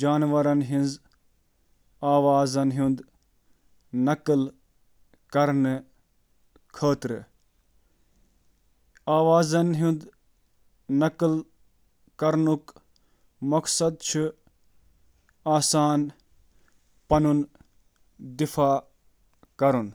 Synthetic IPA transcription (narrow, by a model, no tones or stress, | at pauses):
d͡ʒaːnʋɐɾɐnɦinz | aːʋaːzɐnɦũnd̪ | nɐkɨl | kɐɾnɨ | kʰəːt̪ɾɨ | aːʋaːzɐnɦũnd̪ | nɐkl | kɐɾnuk | mɐksɐd̪̚t͡ʃʰu | aːsaːn | pɐnun | d̪ifʰaː | kɐɾun